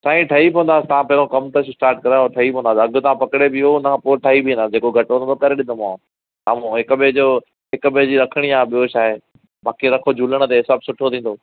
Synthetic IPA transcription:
saːĩʈʰɐipɔ̃ʋə̃nd̪aːsɪt̪ɐʋ̤ãpɐɦɪɾõkɐmt̪ɐssʈaːɾʈ̚kɐɾaʈʰɐɦipɔ̃ə̃nd̪aːsɐɡʊ̆t̪ɐʋ̤ãpɐkɪɽebɪonɐãpoːʈʰɐɦibʱiĩnd̪aːsd͡ʑeːkoɡʱɐʈɦnt̪okɐɾeɗɪnd̪omãː | sa̰ːm̤ũɦɪkʊɓɪd͡ʑoː | ɦɪkʊɓɪd͡ʑiɾɐkʰəɽ̃iaːɓijot͡ɕʰaːɦe | baːkeɾɐkʰod͡ʑʱuːləɽ̃̆t̪eɦɪsaːbsʊʈʰot̪ʰĩːnd̪oː

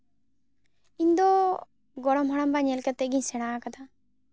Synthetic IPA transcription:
ind̪ɔ | ɡɔɽɔmɦɔɽ̃ambaɲɛlkat̪ɛɡiɲsɛɽ̃akad̪a

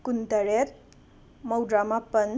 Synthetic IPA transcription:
kunt̪əɾet̪̚ | məwɖɾamapən

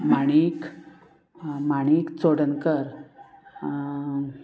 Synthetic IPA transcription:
maɽ̃ik | maɽ̃ikt͡soɽənkəɾ

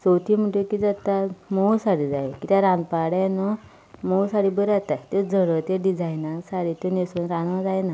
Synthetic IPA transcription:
sowt̪im̤əɳʈekid͡zat̪amowsaɽiːd͡zajkit̪aɾãnd̪paɽjanɔ | mowsaɽibəɾat̪at̪ed͡zʱəɽət̪eɖid͡zajnasaɽit̪onesunɾãnmãd͡zajna

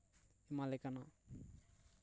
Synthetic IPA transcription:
imalekana

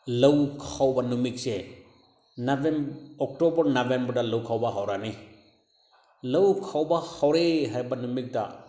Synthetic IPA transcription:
lɐwkʰawbanumik̚se | nabemɔk̚tobɔɾnabembɾdalɐwkʰawbaɦawɾani | lɐwkʰawbahawɾeɦajbanumik̚da̰

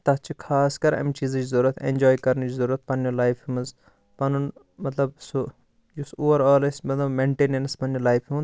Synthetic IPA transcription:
t̪ɐt͡ʃʰikʰaːskɐɾɐ̰mit͡ʃiːzd͡ʒizɐɾɐt̪ʰḛnʲd͡ʒoːjkɐɾnɐd͡ʒizɐɾuɐt̪̚pɐnːjulaːjfʰimɐz | pɐnun | mɐt̪lɐbsu | jusoːʋɐɾaːlɐsʲmɐt̪lɐbmeɳʈeːnɐnɐspɐnjolaːjfʰimɐn

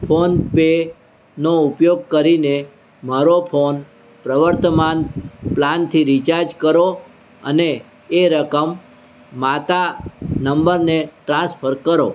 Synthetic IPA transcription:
pʰonpe | noʊpjoɡ̚kəɾine | maɾopʰon | pɾəʋəɾt̪əmanplant̪ʰiɾit͡ʃaɾd͡ʒkəɾo | ə̰neː | ɾəkəmː | at̪anəmbəɾneʈɾãspʰəɾkəɾo̰

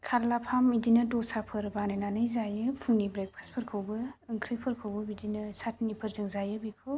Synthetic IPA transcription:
kʰaɾlapʰamidinɯdɔsapʰɯɾbanɯjnanɯjzajɯpʰɯŋnibɾek̚pʰaspʰɯɾkʰɯwbɯɯŋkʰɾɯjpʰɯɾkʰɯwbɯbidinɯsatʰnipʰɯɾzɯŋzajɯbikʰɯw

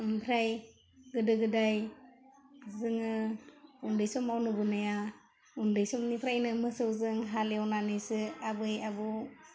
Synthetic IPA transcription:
mpʰɾaj | ɡɯdɯɡɯdaj | zɯŋɯ | undɯjsɔmawnubɯnaja | undɯjsɔmnipʰɾajnɯmɯsɯwzɯŋɦaleawnanɯjsɯabɯjab

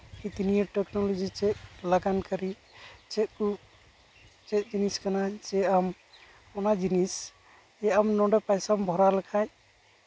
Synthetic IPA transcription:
hit̪inijaʈeknɔlod͡ʒit͡ʃɛt̪̚laɡankəɾi | t͡ʃɛt̪̚ku | t͡ʃɛt̪̚d͡ʒiniskanad͡ʒɛam | ɔnad͡ʒinis | ɛamnɔɖɔpajsambʱɔɾalakʰaj

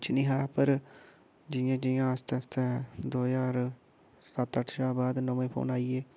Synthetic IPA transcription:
t͡ʃʰnĩːɦaːpəɾ | d͡ʒɪjãːd͡ʒɪjãːəst̪ẽst̪ɛ̃ːd̪oːjaːɾ | sət̪əʈʰʃaːbaːd̪nəʋẽːpʰo̰ːnaːieː

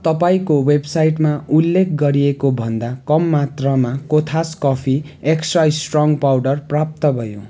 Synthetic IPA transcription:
t̪ʌpaĩkowebsajʈmaulːek̚ʰɡʌɾiekobʱʌnd̪akʌmːat̪rʌmakot̪ʰaskʌpʰi | eksʈraisʈrɔŋɡpawɖʌrprap̚t̪ʌbʱʌjo̰

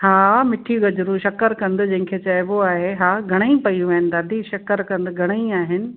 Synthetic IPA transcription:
haːmɪʈʰiɡɐd͡ʑɾuʃɐkəɾkɐ̃nd̪ʊd͡ʑɐ̃ɦɪ̃kʰet͡ɕɐɪboaːɦeɦaːɡʱɐɽ̃ə̃ĩpɐjũʋɐɦɪnɪ̆d̪aːd̪ʱiʃɐkəɾkɐ̃nd̪ɡʱɐɽ̃əĩaːɦɪnɪ̆

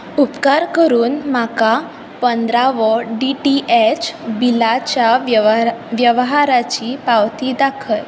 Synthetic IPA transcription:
upkaɾkəɾuːnmaka | pənd̪ɾaʋəɖiʈiʔet͡ɕbilat͡ɕja | ʋjəʋɦaɾat͡ɕiːpawt̪iːd̪akʰəj

